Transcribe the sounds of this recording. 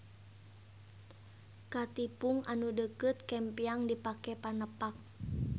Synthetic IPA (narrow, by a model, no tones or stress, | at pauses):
kat̪ipuŋanudəkət̪̚kɛmpiaŋdipakɛpanəpak̚